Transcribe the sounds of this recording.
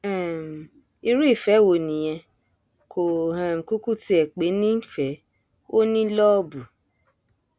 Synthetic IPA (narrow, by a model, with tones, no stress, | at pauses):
ɛ˦˨m̩˨ | i˧ɾu˦i˦˨fɛ˨˦wo˨nĩ˨j̃ɛ̃˧ | kʰo˨hɛ̃˨m̩˨ku˦ku˦ti˧ɛ˨k͡pe˨˦nĩ˦fɛ˨˦ | o˦nĩ˦lɔ˦bu˨